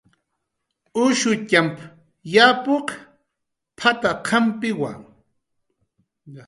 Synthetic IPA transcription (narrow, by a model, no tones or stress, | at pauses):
ʊʃʊcamp | japoq | pʰat̪aqʰampɪwa̰ŋ